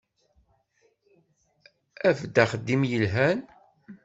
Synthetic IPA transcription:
æfd̪aχəd̪ːimjəlɦæn

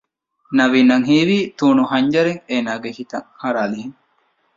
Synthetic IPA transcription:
nɐʋiːnɐŋɦiːʋiːt̪uːnuɦɐɲd͡ʒɐɾeŋeːnaːɡehit̪ɐŋhɐɾaːlihiŋ

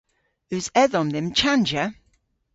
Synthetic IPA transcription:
ʉzɛðɔ̃nðɪmt͡ʃʰand͡ʒə

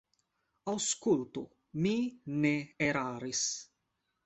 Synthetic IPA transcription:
awskult̪u | mineeɾaːɾis

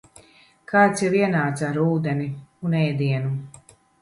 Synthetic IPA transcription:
kʰaːt̪sjaviɛnaːt̪saɾuːd̪eniunɛjd̪iɛnu

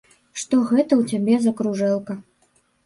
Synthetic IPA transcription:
ʂt̪ɔɣɛt̪ɐwt͡sʲabʲɛzɐkɾuʐɛlˠkɐ

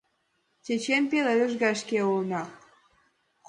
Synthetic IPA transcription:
t͡ɕʲet͡ɕenpeleøʒɣɑʃkeulnɑ | k

